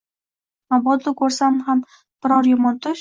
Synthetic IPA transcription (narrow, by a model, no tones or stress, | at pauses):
abɒd̪lɪkʰɵɾsamham | b̥ɪɾɒɾjʊmɒnt̪ʊʃ